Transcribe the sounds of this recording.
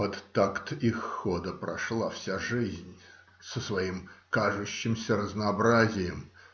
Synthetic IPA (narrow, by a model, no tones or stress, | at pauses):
ɐt̪ːakt̪ixːod̪əpɾɐ̰ʂlˠafsʲaʐɨzʲnʲ | səsvɐimkaʐʊɕːɪmsʲəɾəznɐːbɾazʲɪjɪm